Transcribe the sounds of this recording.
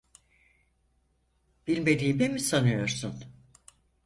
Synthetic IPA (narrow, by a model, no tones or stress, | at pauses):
b̥ilʲme̞d̪iːbemisanɯjo̞ɾsun